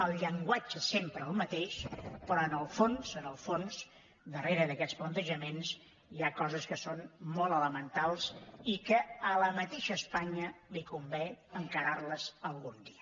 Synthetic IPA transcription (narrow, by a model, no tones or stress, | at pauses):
əlˠʎəŋɡwad͡ʒəsempɾəːlˠmət̪eʃpɾɔənəlˠfonzənəlˠfons | d̪əreɾəðəkɛt͡splənt̪əʒəmens | iakɔzəskəsonmɔlˠələmənt̪alˠsikəələmət̪eʃəːspaɲəlikumbɛəŋkəɾarləzəlˠɣund̪iə